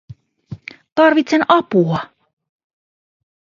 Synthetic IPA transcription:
t̪ɑrʋit̪senɑpuɑ

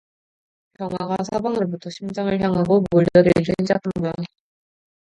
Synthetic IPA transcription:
kjʌŋwaɡasʰabwaŋɯɾobutʰʌɕʰimd͡ʑaŋɯɭçjaŋɦaɡomoʎd͡ʑʌɾɯid͡ʑend͡ʑakʰanɡujane

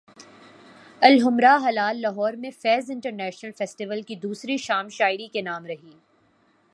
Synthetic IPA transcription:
ɐlɦʊmɾaɦɐlaːlːɐɦɔːɾmẽfɛːzɪ̃ɳʈəɾnɛːʃnəlfɛːsʈiʋəlkid̪uːsɾiʃaːmʃaːɪɾikenaːmɾɐɦiː

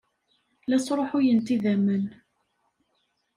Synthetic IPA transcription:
læt͡sːɾˤoħʊjənt̪iðæmən

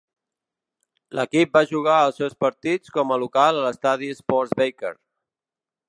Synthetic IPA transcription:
lʔə̰kip̚baʒuɣ̞aəlˠsewspəɾt̪it͡skɔməlukalələst̪aðiəspɔɾzβejkḛɾ

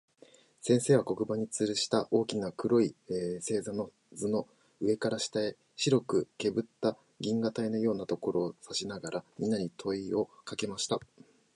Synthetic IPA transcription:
sẽ̞ɰ̃se̞ːβ̞ako̞kɯ̟baɲ̟it͡sɨɾɯ̟ɕi̥t̪aʔo̞ːkʲinakɯ̟ɾo̞ise̞ːzano̞ | zɨno̞ | ɯ̟e̞kaɾaɕi̥t̪ae | ɕiɾo̞kɯ̟ke̞bɯ̟t̪ːa | ɡʲĩŋɡat̪aino̞jo̞ːnat̪o̞ko̞ɾo̞ːsaɕinaɡaɾʔamʲĩnːaɲ̟it̪ʰo̞io̞kake̞maɕi̥t̪a

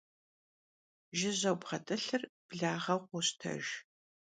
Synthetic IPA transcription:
ʒɪʑɐwbʁɐtʼɨɬɨrb̥ɮaːʁɐqʷʊɕtʰɐ̰ʒ

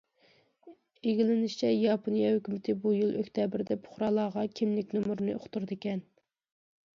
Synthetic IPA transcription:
eɡʲilɪnɪʃt͡ʃʰɛjɑpʰonijɑhøkʲymɪt̪ʰɪbujilˠøkʲt̪ʰɛbɪɾd̪ɛpʰʊ̥χɾɑːlˠɑːʁɑkʲʰimlɪkʲnumuɾnɨo̰χt̪uɾd̪ɪkʲɛn

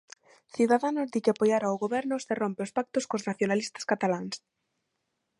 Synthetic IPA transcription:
θiðaðanʊzðikapojaɾaoɣoβɛɾnʊserompɪʊspak̚t̪ʊskoznaθjonalist̪ḁskat̪alaŋs

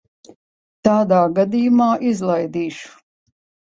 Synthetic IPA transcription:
t̪aːd̪aːɡad̪ijumaːʔizlˠajd̪iːʃu̥

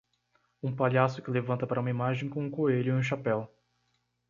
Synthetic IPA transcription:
ũpaʎasʊkɪlevɐ̃nt̪ɐpaɾɐũmɐimaʒẽj̃kõũkoeʎʊiũʃapɛw

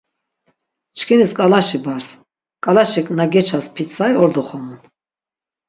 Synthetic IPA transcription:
t͡ʃʰkʰɛniskʼalaʃibaɾs | kʼalaʃɛkʼnaɡɛt͡ʃʰaspʰit͡sʰajɔɾd̪ɔχɔmun

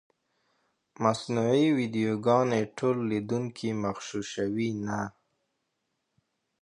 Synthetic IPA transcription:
masnuʕiwid̪ijoɡɑneʈʰolːid̪uŋkʰimaxʃuʃawina

